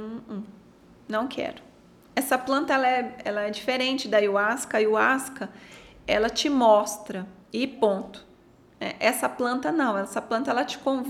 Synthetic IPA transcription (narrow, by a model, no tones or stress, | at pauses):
nɐ̃w̃kʰɛ̰ɾʊ | ɛsɐplɐ̃nt̪ɐɛlɐɛɛlɐɛd͡ʒifeɾẽnt͡ʃɪd̪ajʊaskɐiʊaskɐɛlɐt͡ʃɪmɔst̪ɾɐ | ɪpõt̪ʊ̥ | nɛ̰ʔɛsɐplɐ̃nt̪ɐnɐ̃w̃ɛsɐplɐ̃nt̪ɐɛlɐt͡ʃɪ̥kõv